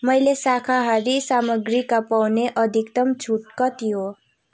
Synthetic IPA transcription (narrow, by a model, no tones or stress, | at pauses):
mʌjlesakʰaɦʌɾisamʌɡɾikapawneʔʌd̪ʱikt̪ʌmt͡sʰuʈkʌt̪ʰijo